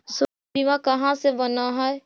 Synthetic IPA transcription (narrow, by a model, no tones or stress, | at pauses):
s | bimãkəɦãsebənaɦəe